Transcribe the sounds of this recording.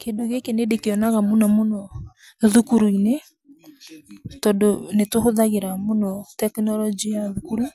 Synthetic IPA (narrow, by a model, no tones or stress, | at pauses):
kendoɣekenedekeɔnaɣamonɔmonɔ | ðukuɾuine | tɔdonetohoðaɣeɾamonɔtɛknɔlɔd͡ʒiaðukuɾu